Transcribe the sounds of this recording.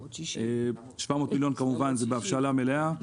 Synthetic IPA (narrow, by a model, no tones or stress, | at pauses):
e | ʃvamo̞t̪miljo̞nkamuvanzebeafʃalamelea